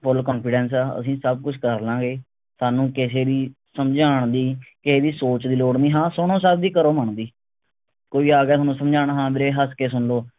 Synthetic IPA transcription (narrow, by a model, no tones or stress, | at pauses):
pʰʊlkɔ̃ːnpʰɪɖɛːns̬aːə̰sĩːsəb̚kʊt͡ʃʰkəɾlãːɡeː | saːnũːkɪseːd̪iː | səmd͡ʒaːɳd̪iːkɪseːd̪iːsoːt͡ʃd̪iːloːɽniːɦãːsʊɽ̃õːsəb̚d̪iːkəɾoːməɳd̪iː | koːiːaːɡɛːt̪ʰaːnũːsəmd͡ʒaːɽ̃ɦãːbɪɾeːɦəskeːs̬ʊɳloː